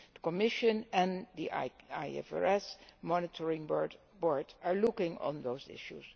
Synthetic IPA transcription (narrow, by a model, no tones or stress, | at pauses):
d̥əkɔmɪʃɨ̃nɛ̃ndiaɪɛ̰fɛ̰ɹɛsmɔnɪtʰɔɹɪ̃ŋbɔɹ | bɔɹdaɹlʊkɪ̃ŋɔ̰̃nðoʊzɪ̰ʃṵs